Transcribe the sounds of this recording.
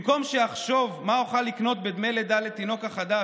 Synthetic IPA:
mko̞mʃeaχʃo̞vmauχalːikno̞t̪bed̪me̞jled̪alet̪ino̞kaχad̪a

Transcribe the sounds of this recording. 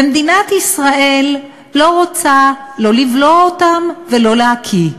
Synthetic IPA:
emd̪inat̪isʁaʔe̞lː | o̞ʁot͡sa | lo̞livloaotamvelo̞leakʰi

